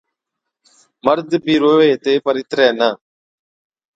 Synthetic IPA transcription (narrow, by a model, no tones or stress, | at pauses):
məɾd̪bʱiːɾoːeːt̪eːpəɾɪt̪ɾɛːnaː